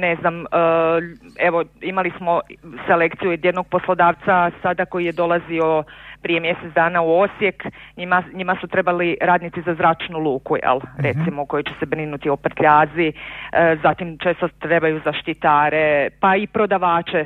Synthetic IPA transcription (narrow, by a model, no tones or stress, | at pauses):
neznamə | e̞ʋo̞imalismo̞sele̞kt̪sijuid̪jed̪no̞ɡ̚po̞slˠo̞d̪aːʋt̪sasad̪ako̞jijed̪o̞lazio̞pɾije̞mje̞set̪d̪aːnauo̞sjekɲimaɲimasut̪ɾe̞baliɾaːd̪nit̪izazɾaːt͡ʃnulˠuːkujḛlˠɾe̞t̪simoko̞jet͡ɕe̞̥se̞bɾinut̪io̞pr̩t̪ʎaːzi | zat̪imt͡ʃeːst̪ot̪ɾe̞bajuzaʃt̪it̪aːɾe̞paipɾo̞d̪aʋaːt͡ʃe̞